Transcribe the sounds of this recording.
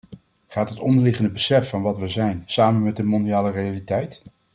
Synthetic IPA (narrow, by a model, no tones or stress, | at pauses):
χaːtɦətɔndəɹlɪχəndəbəsɛfɑnʋɑtʋəzɛjnsaːmənmɛt̚dəmɔndiaːlərejalitɛjt